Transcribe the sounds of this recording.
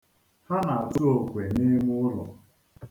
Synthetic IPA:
ha˦na˨a˨tʊ˦o˨kʷe˨ni˦mʊ˦ʊ˦lɔ̰˨

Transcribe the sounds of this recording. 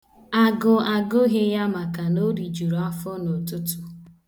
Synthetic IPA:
a˨ɡʊ˨a˨ɡʊ˦ɦe˦ja˦ma˨ka˨no˦ɾi˨d͡ʒu˨ɾo˨a˦fʊ˦no˨tʊ˦tʊ̥˦

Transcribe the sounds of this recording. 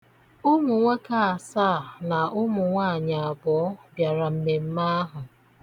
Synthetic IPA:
ʊ˦mʊ˨ŋʷe˦ka˦a˨sa˦˨na˨ʔʊ˦mʊ˨ŋʷa˦˨ɲa˨a˨bɔ˨ɔ˦bja˨ɾa˨m̩˨me˨m̩˦ma˦a˦ɦʊ˨

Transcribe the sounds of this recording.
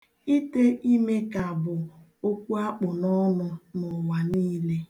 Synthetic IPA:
i˦te˦ʔi˦me˦ka˨bʊ˨ | o˦kʷu˦a˦k͡pʊ˨nɔ˦nʊ˦nʊ˨wa˨niː˦le˦

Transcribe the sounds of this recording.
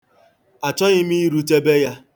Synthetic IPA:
a˨t͡ʃɔ˦ɣɪ˦mi˦i˦ɾu˦te˦be˦ja˦

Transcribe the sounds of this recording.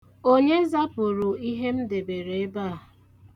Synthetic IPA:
o˦ɲe˦za˦pʊ˨ɾʊ˨i˦ɦe˦m̩˦de˨be˨ɾe˨e˦baː˦˨

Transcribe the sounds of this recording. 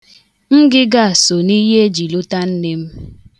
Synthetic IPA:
ŋ̩˦ɡɪ˦ɡa˦a˨so˨ni˦ɦe˦e˦d͡ʒi˨lu˦ta˦n̩˦ne˦m̩˦

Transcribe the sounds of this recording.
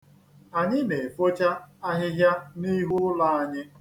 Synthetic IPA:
a˨ɲɪ˦ne˨fo˦t͡ʃa˦a˦ɦɪ˦ɦja˦ni˦ɦu˦la˦a˦ɲɪ˦

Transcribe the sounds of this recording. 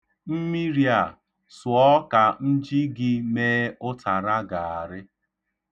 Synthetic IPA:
m̩˦mi˦ɾi˦a˨ | sʊ˨ɔ˦ka˨n̩˦d͡ʒi˦ɡɪ˦meː˦ʊ˦tʰa˨ɾa˦ɡa˨a˨ɾɪ˦

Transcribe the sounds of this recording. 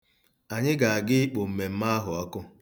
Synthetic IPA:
a˨ɲɪ˦ɡa˨a˨ɡɪ˦k͡po˨m̩˨me˨m̩˦ma˦a˦ɦʊ˨ɔ˦kʊ˦

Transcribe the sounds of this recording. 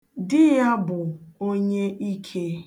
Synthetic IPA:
dɪ˦ja˦bʊ˨o˦ɲe˦ʔi˦kʰe˦

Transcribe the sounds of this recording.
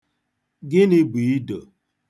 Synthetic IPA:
ɡɪ˦nɪ˦bi˨i˦do˨

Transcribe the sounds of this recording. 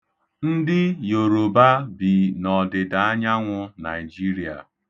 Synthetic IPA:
n̩˦dɪ˦jo˨ɾo˨ba˦bi˨nɔ˨dɪ˨da˨a˦ɲa˦ŋʷʊ˦na˨ɪ˨d͡ʒi˦ɾi˨a̰˨

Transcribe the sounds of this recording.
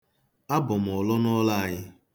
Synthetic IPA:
a˦bʊ˨m̩˨ɔ˨lɔ˦nɔ˦la˦a˦˨ɲɪ˦

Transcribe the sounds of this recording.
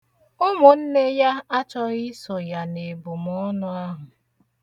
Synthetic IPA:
ʊ˦mʊ˨n̩˦ne˦ja˦a˦t͡ʃɔ˦ɪ˦sɔ˨ja˨ne˨bʊ˨mɔ˦nʊ˦a˦ɦʊ˨

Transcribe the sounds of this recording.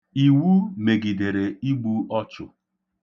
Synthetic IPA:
i˨wu˦me˨ɡi˨de˨ɾe˨i˦ɡ͡bu˦ɔ˦t͡ʃʊ̰˨

